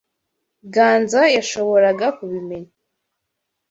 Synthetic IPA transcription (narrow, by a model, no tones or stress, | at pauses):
ɡaːnzajaʃoβoɾaɡakʷuβimeɲ